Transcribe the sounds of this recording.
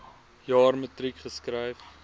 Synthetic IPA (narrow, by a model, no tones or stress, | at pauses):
jɑːrmətɾikχəskɾɐjf